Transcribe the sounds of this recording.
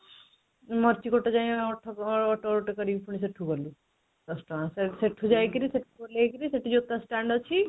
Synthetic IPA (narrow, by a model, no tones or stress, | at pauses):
mɔɾt͡ʃikoʈed͡ʒaj̃ɔʈʰɔɔʈɔɾoʈekɔɾibpʰuɽ̃is̬eʈʰukɔlu | d̪ɔsʈɔaseseʈʰud͡ʒajkiɾiseʈʰukɔlekiɾiseʈʰid͡ʒot̪ãsʈaɳɖɔt͡ʃʰi